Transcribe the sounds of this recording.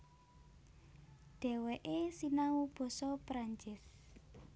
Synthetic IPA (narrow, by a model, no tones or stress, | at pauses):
ɖ̥ɛ̤wɛʔesinawub̥ɔ̤sɔpɾaɲt͡ʃɪs